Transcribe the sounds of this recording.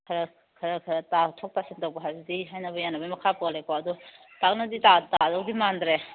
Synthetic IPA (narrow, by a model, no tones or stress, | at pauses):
kʰɐɾɐ | kʰɐɾɐkʰɐɾɐtatʰɔk̚tasintawpɐɦazidiɦajnɐbɐjanːɐbɐjmɐkʰapɔlekoɐdu | tak̚nɐditatadawdimandɾe